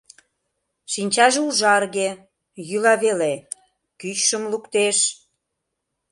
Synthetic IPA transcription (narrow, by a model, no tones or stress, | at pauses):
ʃinʲt͡ɕɑʒeuʒɑrɣe | jylɑβele | kyt͡ɕʃəmlukt̪eʃ